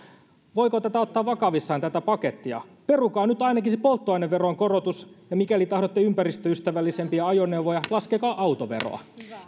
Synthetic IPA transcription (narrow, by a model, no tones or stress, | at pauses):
ʋo̞jkot̪æt̪æo̞t̪ːɑːʋʋɑkɑʋisːɑːnt̪æt̪æpɑket̪ːiɑ̰pe̞rukɑːnyt̪ɑjnɑkisepo̞lt̪ːoɑineʋʋeroŋko̞rot̪usjɑmikælit̪ɑhɾot̪ːeympærist̪øyst̪æʋælːisempiɑɑjone̞wʋojɑlɑskekɑːʔɑwt̪oʋe̞̰ro̰ɑ̰